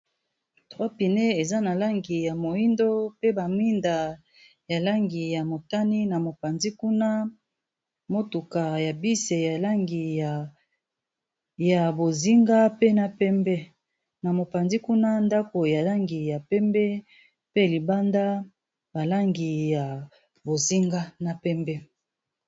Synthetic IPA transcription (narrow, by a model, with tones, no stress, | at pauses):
tʁwa˦pi˨ne˦e˨za˦na˨la˦ŋɡi˨ja˨mo˨i˦ndo˦pe˦ba˨mi˦nda˨ | ja˨la˦ŋɡi˨ja˨mo˨ta˦ni˦na˨mo˨pa˨nzi˦ku˦na˦ | mo˦tu˨ka˨ja˨bi˦se˨ja˨la˦ŋɡi˨ja˨ | ja˨bo˨zi˦ŋɡa˦pe˦na˨pɛ˦mbɛ˦ | na˨mo˨pa˨nzi˦ku˦na˦nda˦ko˨ja˨la˦ŋɡi˨ja˨pɛ˦mbɛ˦ | pe˦li˨ba˦nda˦ | ba˨la˦ŋɡi˨ja˨ | bo˨zi˦ŋɡa˦na˨pɛ˦mbɛ˦